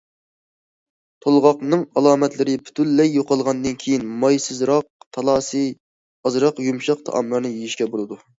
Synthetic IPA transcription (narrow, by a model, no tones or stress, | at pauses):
t̪ʰolˠʁɑqnɨŋɑlˠɑːmɛt̪lɪɾɪpʰy̥t̪ʰylːɛjːoqʰɑlˠʁɑnd̪ɨnkʲʰejinmɑjsɨzɾɑq̚t̪ʰɑlˠɑːsɨ | ɑzɾɑqjumʃɑqt̪ʰɑ̰ʔɑ̰mlˠɑɾnɨjijiʃkʲɛbolˠɨd̪u